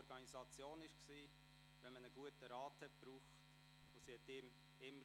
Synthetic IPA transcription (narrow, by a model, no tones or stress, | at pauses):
ɔɾɡ̥ɑnizɑt͡sjoːnɪʃksiː | ʋɛnmənəɡuətəɾɑːthɛt̚b̥ɾuːχt | voːsihɛtɪm | ɪmːə